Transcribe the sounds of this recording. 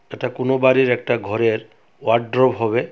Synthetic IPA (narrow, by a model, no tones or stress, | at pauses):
eʈakonobaɾiɾɛk̚ʈaɡʱɔɾeɾ | waɖɖɾɔbɦɔβe